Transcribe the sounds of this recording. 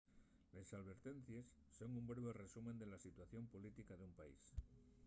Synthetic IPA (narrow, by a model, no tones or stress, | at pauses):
lesalβ̞e̞ɾt̪ẽ̞n̟θje̞sːo̞ŋumbɾe̞β̞e̞re̞sumẽ̞nd̪e̞lasit̪waθjo̞mpolit̪ikaðeumpaḭs